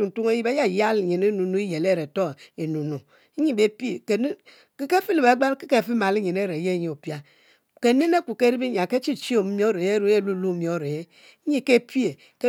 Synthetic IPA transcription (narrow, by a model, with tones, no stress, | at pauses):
u˨n̩˨tu˦ŋe˦ji˦be˦ja˦˨ja˦lɲe˨ne˦nu˨nu˦i˦je˨le˦˨ɾe˨to˦˨e˨nu˨nu˨˦ | ɲi˦be˦pe˨ke˨n˦ | ke˦ke˦fi˦li˨be˨˦ɡ͡ba˦n˦ke˦ke˦˨fi˦ma˨li˦ɲi˨ne˦˨ɾe˨je˦˨˦ɲi˨o˨pja˦ | ke˦ne˦ne˦ku˨ke˦ɾi˦bi˦ɲ˨a˨ke˦t͡ʃi˦t͡ʃi˦o˦˨m̩˦mi˦o˦ɾe˨je˦ɾu˦e˦˨lu˦lu˦mi˨o˦˨ɾe˨je˦ | ɲi˦˨ke˦pi˦e˨ | ke˦